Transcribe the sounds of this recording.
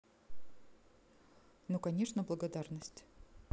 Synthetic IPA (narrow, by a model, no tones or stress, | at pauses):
nukɐnʲeʂnəblˠəɡɐd̪arnəsʲtʲ